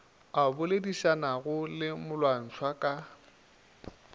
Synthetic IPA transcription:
abʊlediʃanaɣʊlɪmʊlwan̩t͡sʰwakʼa

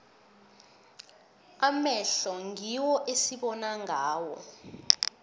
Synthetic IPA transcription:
amɛɬɔŋiwɔʔesiɓɔnaŋaːwɔ̰

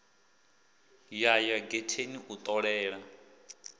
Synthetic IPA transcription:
jajaɡetʰeniʔut̪ʼɔɺɛːɺa

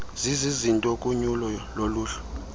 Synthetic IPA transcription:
zizizintʼokʼuɲulɔloluːɬɛ̥

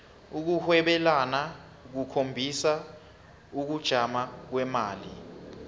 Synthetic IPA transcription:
uk̬uhwɛɓɛlana | k̬ukʰombʱisa | uk̬ud̥ʒ̥ʱamak̬wɛmaːli

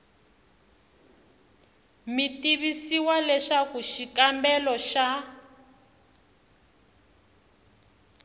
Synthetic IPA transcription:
mitiβisiwalɛʃakuʃikambɛlɔʃa

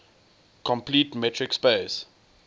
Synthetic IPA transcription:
kʰɔ̃mpliːtmɛtɹɪkspes

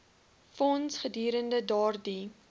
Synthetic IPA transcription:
fɔnsχədiːɾəndədɑːrdi

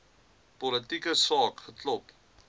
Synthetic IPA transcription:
pɔlətikəsɑːkχətlɔp

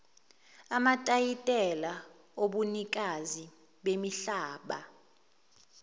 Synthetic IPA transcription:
amatʼajitʼɛla | oɓunik̬ʼazi | ɓemiɬaːɓa̰

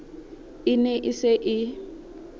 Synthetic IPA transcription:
ɪnɛʔɪsɪʔɪ

